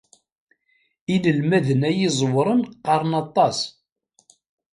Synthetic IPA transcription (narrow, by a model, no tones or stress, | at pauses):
iləlmæðənæjɪzˤwɾˤənqɑɾˤnɑt̪ˤːɑs